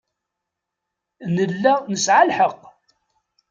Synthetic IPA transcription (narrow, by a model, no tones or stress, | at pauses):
nəlːænəsʕalħəq